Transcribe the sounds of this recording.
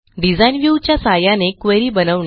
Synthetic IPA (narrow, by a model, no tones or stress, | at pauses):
ɖid͡zainʋjut͡ɕjasajanekʋeɾiːbənəʋɳ